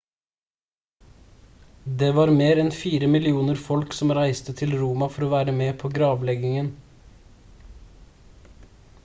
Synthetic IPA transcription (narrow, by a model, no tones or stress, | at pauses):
d̪eːʋɑːɾmeːɾɛnfiːɾəmɪlɪuːnəɾfɔlksɔmɾæɪst̪ət̪ʰɪlɾuːmɑfɔɾoːʋæːɾəmeːpʰoːɡɾɑːʋlɛɡɪŋən